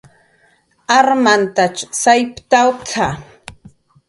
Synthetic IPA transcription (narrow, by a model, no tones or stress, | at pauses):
aɾmant̪at͡ʃsajpt̪awt͡sʰa